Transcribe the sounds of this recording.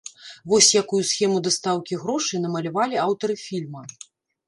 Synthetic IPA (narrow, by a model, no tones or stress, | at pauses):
vɔsʲjakujusxʲɛmud̪ɐst̪awkʲiɣɾɔʂɨjn̪ɐmɐlʲavalʲiawt̪ɐɾɨfʲilʲmɐ